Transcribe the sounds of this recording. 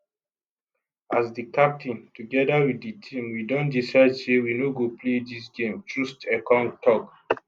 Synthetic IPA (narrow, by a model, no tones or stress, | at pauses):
asdikap̚tĩntuɡɛdawidditʰĩmwidɔ̃ndisaɪdsewinoɡopledis̬ɡẽmtɹustɛkɔ̃ntɔk